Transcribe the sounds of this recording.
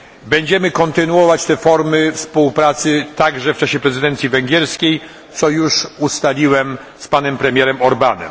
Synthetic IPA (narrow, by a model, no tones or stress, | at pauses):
bɛɲd͡ʑɛmɘkɔnt̪ɘnuɔvat͡ɕt̪ɛfɔɾmɘfspuwpɾat̪sɘt̪aɡʐɛft͡ʂaɕɛpɾɛzɨd̪ɛnt̪sʲjivɛŋɡʲɛɾskʲej | t̪sɔjuʂust̪alʲiwɛm | spanɛmpɾɛmʲjɛɾɛmɔɾbanɛ̰m